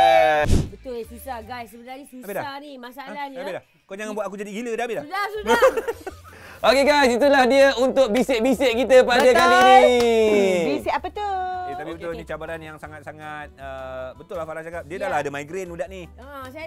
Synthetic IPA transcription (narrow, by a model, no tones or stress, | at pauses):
bət̪ʊlsisaɡassəbət̪aisiapelahanimasalaabilah | kod͡ʒaŋanbuat̪ak̬ud͡ʒadiɡilədabɪlahau | ʔokeɡajsit̪ulahdiəunt̪ʊk̚bisɪʔ̚bisɪʔkit̪əpadəaini | biseapət̪oket̪apibət̪ʊnit͡ʃabaɾanjaŋsaŋat̪̚saŋat̪̚əbət̪ʊlːahfalat͡ʃakap̚diədalahadəmaiɡɾenudaʔni | as